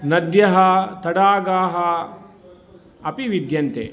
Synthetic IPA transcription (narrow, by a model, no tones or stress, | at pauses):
nɐd̪jɐɦɐt̪ɐɽaːɡaːɦɐ | ɐpiʋid̪ʱjɐnt̪ḛ